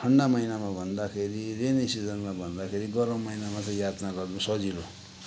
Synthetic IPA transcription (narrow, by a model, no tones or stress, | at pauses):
ʈʰʌɳɖamʌinamabʱʌnd̪akʰeɾirenisid͡zʌnmabʱʌnd̪akʰeɾiɡʌɾʌ̃mːʌinamat͡sʌ̃j̃jat̪naɡʌrnusʌd͡zilo